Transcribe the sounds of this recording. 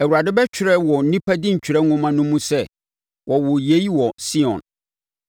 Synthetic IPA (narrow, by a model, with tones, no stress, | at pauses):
æ˨wu˨ɾa˨dɪ˦bɛ˦t͡ɕᶣʰɪ˨ɾɛ˦wɔ˨n̩˨˦nĩ˦pʰa˦dɪ̃˦ɲ̩˨t͡ɕᶣʰɪ˨ɾɛ˦ŋʊ̃˦mã˦nʊ̃˦mũ˦sɛ˦˨ | wʔɔ˨wʊ˨je˨˦i˦wɔ˨si˦ɔ̰̃˨n